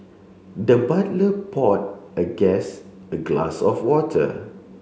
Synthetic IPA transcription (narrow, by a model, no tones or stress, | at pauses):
dəbatləpʰɔt̚əɡɛ̃s | əɡla̰sɔfwɔtʰə̰